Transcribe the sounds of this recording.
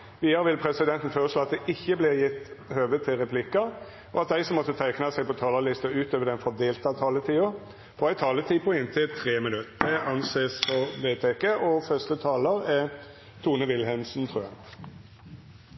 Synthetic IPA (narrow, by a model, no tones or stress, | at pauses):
ʋiːɑɾəʋɪlpʰɾɛsɪd̪ɛnt̪n̩føːɾəsʂloːɑt̪d̪ɛʔɪçːəblɪɾjɪt̪ːhøːʋət̪ʰːɪlʁɛpʰlɪkːɑ | ɔɑt̪̚d̪æɪsɔmːɔt̪ːət̪ʰæɪknɑsæɪpʰɔt̪ʰɑːlɑlɪst̪əʉːt̪øːʋəd̪ɛnfɔd̪eːlt̪ɑt̪ʰɑːlət̪ʰiːʊ | fɔæɪt̪ʰɑːlət̪ʰiːpʰɔɪnt̪ʰɪt̪ʰʁeːmɪnʉt̪d̪ɛɑnseːsfɔɾbeːt̪ʰekeːʔɔfœst̪ət̪ʰɑːləɾæ | t̪ʰuːnəʋɪlhɛnsnt̪ʰʁʉːɛ